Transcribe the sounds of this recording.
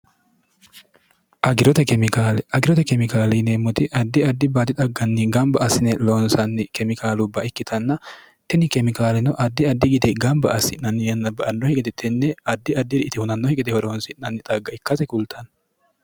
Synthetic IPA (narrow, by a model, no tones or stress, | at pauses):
ʔɐɡɪɾɔt̪ɛkɛmɪkaːlɛʔɐɡɪɾɔt̪ɛkɛmɪkaːlineːmːɔt̪ɪʔɐd̪ːɪɐd̪ːɪbaːt̪ɪt̪ʼɐɡːɐnːɪɡɐmbɐʔɐsɪnɛloːnsɐnːɪkɛmɪkaːlʊbːɐɪkːɪt̪ʰɐnːɐ | t̪ɛnɪkɛmɪkaːlɛnɔʔɐd̪ːɪɐd̪ːɪɡɪd̪ɛɡɐmbɐɐsɪnːɐnːɪjɛnːɐbɐʔɐnːɔhɛkʼɛt̪ɛt̪ʰɛnːɛɐd̪ːɪɐd̪ːɪɾɪʔɪt̪ɪhʊnɐnːɔhɪkʼɪt̪ɛhɔɾoːnsɪnnɐnːɪt̪ʼɐɡːɐɪkːɐsɛkʊlt̪ʰɐn